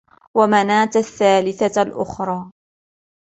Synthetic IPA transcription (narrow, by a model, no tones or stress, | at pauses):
wamanaːt̪aθːaːlɪθalʔʊ̰xɾˤɑː